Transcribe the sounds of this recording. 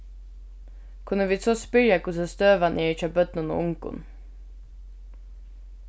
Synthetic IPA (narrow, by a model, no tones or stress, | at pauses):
kʰʉnəʋiːsʰoːspʏɾjɑkʊsəst̪øːʋɑnʔeːc͡çɑbœt̪nʊno̰ʔʊŋkʊ̰n